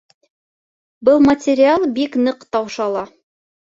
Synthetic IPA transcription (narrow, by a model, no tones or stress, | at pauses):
bɤlˠmɐtʲɪɾʲɪalˠbiknɤqt̪ɑwʃɑlˠɑ